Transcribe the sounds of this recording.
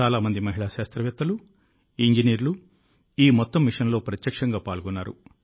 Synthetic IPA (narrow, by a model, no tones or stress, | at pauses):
aːlaːmɐnd̪imɐɦiɭaːʃaːst̪ɾɐʋjɐt̪ːɐlu | iɲd͡ʒiniːɾulu | iːmɔt̪ːɐmːiʂɐnlo̞ːpɾɐt̪jɐkʂɐŋɡaːpaːɭɡɔnːaːɾṵ